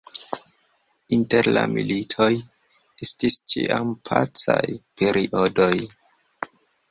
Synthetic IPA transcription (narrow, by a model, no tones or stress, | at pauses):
inte̞ɾlamilitʰo̞j | estist͡ʃḭʔampʰat͡sajpʰe̞ɾiʔodo̞j